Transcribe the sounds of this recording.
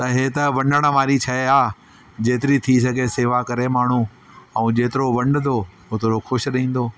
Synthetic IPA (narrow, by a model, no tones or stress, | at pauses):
t̪ɐɦet̪ɐʋɐ̃ɳɖəɽ̃ə̆ʋaːɾit͡ɕʰɐɦeaː | d͡ʑeːt̪ɪɾit̪ʰisɐɡʱeseːʋakɐɾemaːɳ̤u | ɐ̃ũd͡ʑeːt̪ɪɾoʋɐ̃ɳɖ̪d̪o | ʊt̪ɾoxʊʃɗɐĩːn̆d̪oː